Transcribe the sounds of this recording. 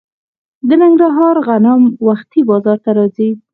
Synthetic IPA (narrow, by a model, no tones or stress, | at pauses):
d̪ənɪŋɡɾaɦɑɾɣanamwaxt̪ibɑzɑɾt̪aɾɑzi